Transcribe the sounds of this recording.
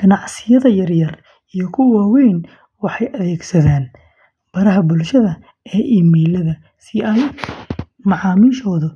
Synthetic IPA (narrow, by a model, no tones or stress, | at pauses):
ɡ̥ɐnɑʕsɪjɐðɐjɐrjɐr | ijɔkʰʊwaːwɛjn | wɑħɑjʔɐðɛːɡsɐðaːn | b̥ɐɾɐɦɐbʊlʃɐðɐ | ɛːʔiːmiːlɐðɐ | sɪɐl | mɑʕɑːmiːʃɔːðʊ